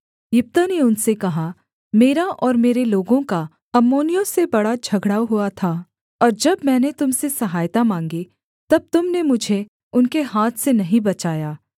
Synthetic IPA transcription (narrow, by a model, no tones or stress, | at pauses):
jʊp̚t̪aneʊnsekɐɦa | meːɾaʔɔːɾmeːɾeloːɡõka | ɐmːoːnijõsebɐɽad͡ʒʱɐɡɽaːɦʊat̪ʰa | ɔːɾd͡ʒɐbmɛ̃ːnet̪ʊmsesɐɦaːjt̪amãːŋɡi | t̪ɐb̚t̪ʊmnemʊd͡ʒʱe | ʊnkeɦaːt̪ʰsenɐɦĩbɐt͡ʃaːjaː